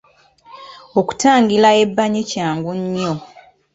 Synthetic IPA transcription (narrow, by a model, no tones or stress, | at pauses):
oku̥taːŋɡilae̞bːaɲecaːŋɡuɲːo